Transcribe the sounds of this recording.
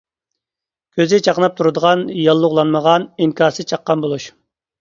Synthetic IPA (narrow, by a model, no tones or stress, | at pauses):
kʲʰøzɪt͡ʃʰɑqnɑp̚t̪ʰuɾɨd̪əʁɑnjɑlˠːʊʁlˠɑnməʁɑniŋkʰʲɑːɾsɨt͡ʃʰɑqːɑnbolˠuʃ